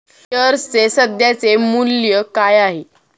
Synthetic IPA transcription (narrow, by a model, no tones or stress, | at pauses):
əɾt͡sesəd̪jat͡semuljəkajaɦe